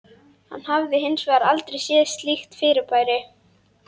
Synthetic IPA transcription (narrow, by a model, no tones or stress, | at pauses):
ha̰nːhavðɪɦɪnsvaɾalt̪ɾejsjɛːst̪lixt̪fɪːɾɪɾpʰaːjɾɪ